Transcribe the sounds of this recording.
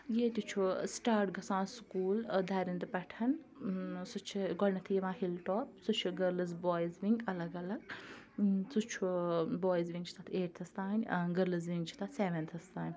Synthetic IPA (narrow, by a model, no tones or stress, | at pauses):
jeːt̪ʲit͡ʃʰusʈaːɾʈ̚ɡɐsãːnskuːld̪ʱɐːɾind̪ɨpɐʈʰɐn | sut͡ʃʰiɡɔlnɐt̪ʰijeʋãːɦilʈɔːp̚sut͡ʃʰiɡɐɾlɐzbɔːjzʋiŋɡɐlɐɡɐlɐɡ | t͡sut͡ʃʰubɔːjzʋĩŋɡt͡ʃʰi̥t̪at̪ʰeːʈ̚t̪ʰɐst̪aːnʲɡɐɾlɐz̬ʋĩŋɡt͡ʃʰi̥t̪at̪seːʋent̪ʰɐst̪aːnʲ